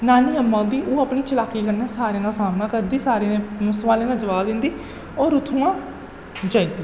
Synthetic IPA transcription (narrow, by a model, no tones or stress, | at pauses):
naːniːəmːãːd̪iːʔoːapniːt͡ʃəlaːkiːkəɾnɛːsaːɾeːnãːsaːmnãːkəɾd̪iːsaːɾeːnẽːmʊsʋaːlẽːd̪ãːd͡ʒəʋaːbd̪ɪ̃nd̪iː | ɔːɾʊt̪ʰũːãː | d͡ʒaːĩːnd̪iː